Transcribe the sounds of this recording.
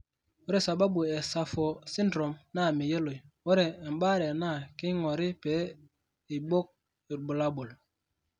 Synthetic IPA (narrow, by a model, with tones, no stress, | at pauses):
wo˦ɾe˦˨sa˨ba˦bu˨e˨sa˨fo˨si˦ndɾo˨mna˦˨mi˨je˦lo˨wo˦ɾɛː˨mba˦ɾe˨na˦˨ki˦ŋɔ˨ɾi˦pe˨˦ | i˨bo˦k̚ | i˨ɾbu˨la˦bu˨l